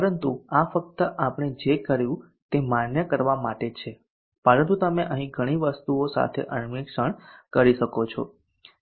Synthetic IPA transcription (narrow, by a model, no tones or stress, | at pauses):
pəɾənt̪uafək̚t̪əʔapɳ̃ed͡ʒekəɾjũ | t̪emanjəkəɾʋamaʈet͡ʃʰe | pəɾə̃nt̪ut̪əmeʔəɦĩɡʱəɽ̃iʋəst̪uosa̰t̪ʰḛʔənmikʃəɳkəɾiʃəkot͡ʃʰo̰